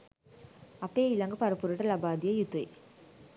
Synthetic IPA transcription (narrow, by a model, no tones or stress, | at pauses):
ɐpːeːɪlɐŋɡɐpɐɾɯpːuɾɯʈːɐlɐbaːd̪ijɐjut̪ːɐj